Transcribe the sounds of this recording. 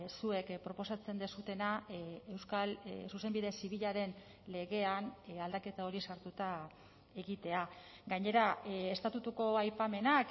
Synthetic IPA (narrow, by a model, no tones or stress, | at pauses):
sue̞kpɾo̞po̞sat͡se̞nd̪esut̪e̞naewskalsuse̞mbiðe̞siβiʎaɾe̞n | le̞ɣe̞anald̪ake̞t̪ao̞ɾisaɾt̪ut̪a | e̞ɣit̪e̞a | ɡaɲe̞ɾaest̪at̪ut̪uko̞ajpame̞nak